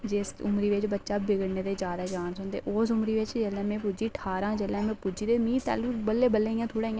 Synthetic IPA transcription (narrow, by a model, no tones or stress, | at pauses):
d͡ʒesʊmɾiːʋɪt͡ʃbətːʃaːbɪɡəɽneːd̪eːd͡ʒjaːd̪aːd͡ʒaːnsʊnd̪ḛːʔoːsʊmɾiːʋɪt͡ʃd͡ʒelɛ̃ːmɛ̃ːpud͡ʒiːʈʰaːɾãːd͡ʒelɛ̃ːmɛ̃ːpud͡ʒiːd̪eːmĩːt̪a̰ːluːbəlːeːbəlːeːijãːt̪ʰʊːɽãːĩːã